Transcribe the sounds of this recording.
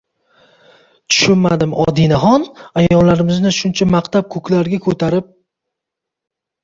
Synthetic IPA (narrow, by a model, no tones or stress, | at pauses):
t̪ʰʊ̥ʃʊnmad̪ɪmɒ̰d̪inaɦɒnajɒllːaɾɪmɪznɪʃʊnt͡ʃʰamaqt̪ʰap̚kʰɵkʲʰlaɾɡʲakʰɵt̪ʰaɾɪp̚